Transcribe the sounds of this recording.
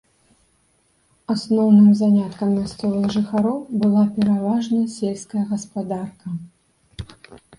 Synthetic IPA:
asnɔwnɨmzanʲat̪kɐmmʲast̪ɔvˠɨɣʐɨxaɾɔwbɨlˠapʲɛɾavaʐnɐsʲelʲskɐjɐɣɐspad̪arkɐ

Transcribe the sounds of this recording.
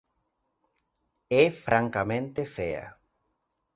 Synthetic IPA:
efɾʔaŋkamẽnt̪efea̰

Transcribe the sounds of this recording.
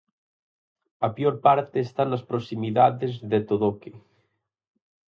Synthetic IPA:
apjoɾpaɾt̪eːst̪anːaspɾosimiðaðezðet̪oðoke

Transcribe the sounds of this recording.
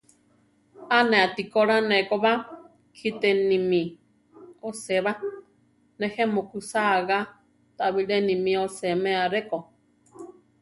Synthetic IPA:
anɛ̃at̪ikoɾanekoβa | kʰit̪ɛnimi | oseβa | nehemokusaɣa | t̪aβiɺenimĩosemɛ̃aɾeko

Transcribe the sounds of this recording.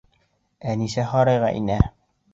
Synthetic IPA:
ænisæχɒɾɑjʁɑ̰ʔḭnæ

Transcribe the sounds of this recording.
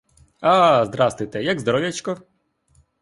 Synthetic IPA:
azd̪ɾɑst̪ʋɪjt̪ɛjaɡzd̪ɔɾɔwjɐt͡ʃkɔ

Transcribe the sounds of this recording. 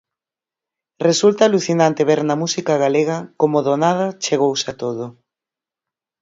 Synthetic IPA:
result̪aːluθinant̪eβeɾnɐmusikaɣ̞aleɣɐkomoðonað̞ɐt͡ʃeɣowsat̪oðʊ

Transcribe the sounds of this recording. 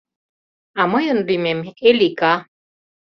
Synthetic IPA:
aməjənlimemelika

